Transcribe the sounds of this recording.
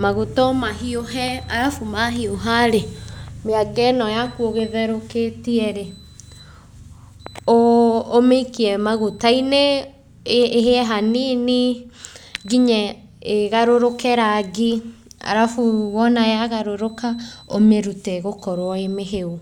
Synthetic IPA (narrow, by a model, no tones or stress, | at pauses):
maɣotɔmaɦioɦɛaɾafumaɦioɦaɾemeaɡɛnɔjakuoɣeðɛɾoketiɛɾe | oːmekiɛmaɣotaine | ɦeɛɦaniːni | ɡiɲɛ | eɣaɾoɾokɛɾaɡia̰ɾafuwɔnajaɣaɾoɾokaomeɾutɛɣokɔɾwɔemeɦeo